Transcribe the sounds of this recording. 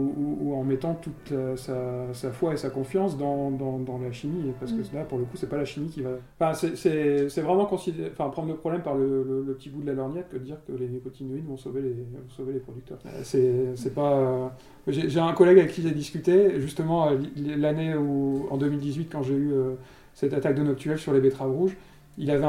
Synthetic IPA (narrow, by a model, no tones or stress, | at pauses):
uuuɑ̃mɛt̪ɑ̃t̪ut̪asasafwaesakɔ̃fjɑ̃sd̪ɑ̃d̪ɑ̃d̪ɑ̃laʃimipaʁsə̥kəbapuʁləkusɛpalaʃimikʲivãfɛ̃sɛsɛsɛvʁɛmɑ̃kɔ̃sid̪̃fɛ̃pχɑ̃d̪ʁləpχɔblɛmpaʁlələləpət̪ibud̪əlalɔʁnjɛt̪kəd̪əd̪iʁkəlenekot̪ʰinuinvɔ̃sovelevɔ̃sovelepχɔd̪ykt̪œ̰ʁsɛsɛpaø | aʒeʒeɛ̃kɔlɛɡavɛkːʲiʒɛd̪iskʲyt̪eʒyst̪əmɑ̃ølilelaneuɑ̰̃d̪əmild̪izɥit̪̚kɑ̃ʒeyø | sɛt̪at̪ak̚d̪ənɔk̚t̪yɛlsyʁlebet̪χavʁuʒ | ilavɛ̃